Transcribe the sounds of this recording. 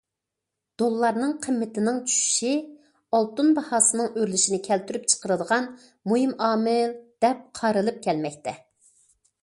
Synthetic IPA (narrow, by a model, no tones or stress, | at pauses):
d̪̥olˠːɑɾnɨŋqʰəmːɪt̪ɪnɪŋt͡ʃʰy̥ʃy̥ʃi | ɑlˠt̪unbɑhɑːsɨnɨŋøɾlyʃinɪkʲʰɛlt̪yɾyp̚t͡ʃʰə̥qəɾɨd̪əʁɑn | mojimɑːmɪld̪̥ɛp̚qʰɑɾɨlˠɨp̚kʲʰɛlmɛk̚ʲt̪ʰɛ